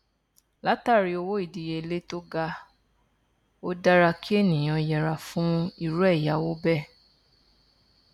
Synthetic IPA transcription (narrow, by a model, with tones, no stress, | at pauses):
la˨˦ta˦˨ɾi˧o˧wo˦i˦˨di˨je˧˨le˦to˦ɡa˧ | o˦da˦ɾa˧kʰi˦e˦˨nĩ˨j̃ã˧jɛ˨ɾa˨fũ˦i˦˨ɾu˦ɛ˦˨ja˨˦wo˦bɛ˦˨